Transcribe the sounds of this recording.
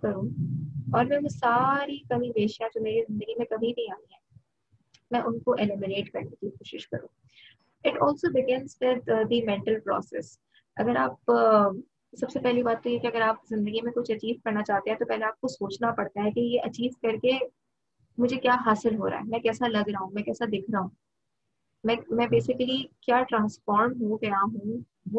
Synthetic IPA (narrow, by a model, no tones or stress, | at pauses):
kɐɾũːɔːɾmɛ̃msaːɾikɐmĩbeːʃjãd͡ʒoːmeːɾizɪ̃nd̪əɡimẽkɐbʱinɐɦĩaːniɦɛ̃ː | mɛ̃ːʔʊnkoʔelɪmɪɾeːʈkɐɾnekikoːʃɪʃkɐ̰ɾṵ̃ː | ɪʈɔːlsoːbɪɡɛ̃nzwɪd̪d̪imɛ̃ɳʈəlpɾɔ̰ːsɛ̰s | ɐ̰ɡəɾaːp | sɐbsepɛɦlibaːt̪ːojekiɐɡəɾaːp̚zɪ̃nd̪əɡimẽkʊt͡ʃʰɐt͡ʃiːʋkɐɾnat͡ʃaːɦt̪ẽɦɛ̃t̪opɛɦleaːp̚kosoːt͡ʃnapɐɽt̪aɦɛkijeʔɐt͡ʃiːʋkɐɾke | mʊd͡ʒʱekjaːɦaːsɪlɦoːɾa̰ːɦɛmɛ̃kɛːsalɐɡɾaːɦũmɛ̃kɛːsad̪ɪːkʰɾaɦũ | mɛ̃ːmɛ̃ːbeːsɪkəlikjaːʈɾãːnspɔːɾɳɖɦũkjaɦũ | ʋo